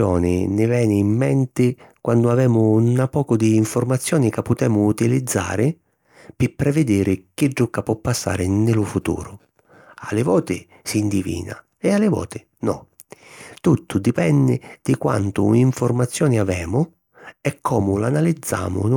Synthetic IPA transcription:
ɔːnɪ̰nɪvɛːnɪːmːɛnt̪ɪkwand̪ʊavɛːmʊnapɔːkʊd̪iːɱfʊrmat̪sːjɔːnɪkapːʊt̪ɛːmʊːt̪ilid̪zːa̰ːɾɪ | pɪpːɾɛvɪd̪iːɾɪk̟ɪɖukapɔpːasːa̰ːɾɪnɪlʊfut̪ṵːɾʊ | alɪvɔːt̪ɪ | siːnd̪ivḭːna̰ | ɛalːɪvɔ̰ːt̪ɪ | nɔ̰ | t̪ut̪ʰːʊd̪ipɛnːɪd̪̥ɪkwa̰nt̪ʊ̰iɱfʊrmat̪sːjɔːnɪavɛːmʊ | ɛkʰːɔːmʊlanalid̪zːa̰ːmʊ̰n

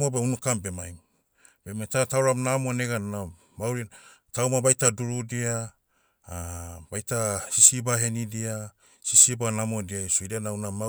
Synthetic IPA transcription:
mobeunukambemajm | bemajtatawɾamnamoneɡana | mawɾin | tawmabajtaduɾudia | bajtasisibaɦe̞nidia | sisibanamodiajsuidianawnama

